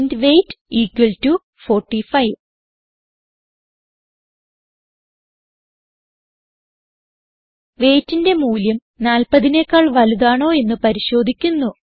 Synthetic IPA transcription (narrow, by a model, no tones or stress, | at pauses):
ndʋe̞jtːiːkwɐltu | fo̞ːrʈːifɐjʋ | ʋeːtːinde̞muːljɐm | naːlpɐðine̞ːkːaːɭʋɐluðaːɳo̞ːe̞nːɨpɐɾiɕo̞ːd̪ʱikʲːunːu